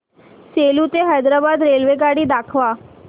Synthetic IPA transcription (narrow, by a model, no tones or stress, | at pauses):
seːlut̪eɦajd̪ɾaːbaːd̪ɾeːlʋeɡaːɽid̪aːkʰʋaː